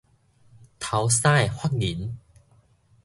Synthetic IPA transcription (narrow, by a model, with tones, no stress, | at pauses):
t̪ʰa˨˦wsa˥˩˨jhwa˥˩k̚ŋi˨˦n